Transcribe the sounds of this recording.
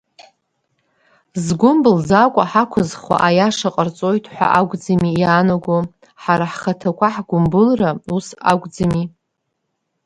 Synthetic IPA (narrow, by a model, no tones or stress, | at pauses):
zɡʷʊmbɨlzakʷʼaħakʷʰʊzχwa̰ʔajaʂaqʼərt͡sʼo̞jtʰʼħʷa̰ʔaɡʷʼd͡zamijaːnaɡʷo | ħaɾaħχatʰakʷʰaħɡʷʊmbɨlrausa̰ɡʷʼd͡zami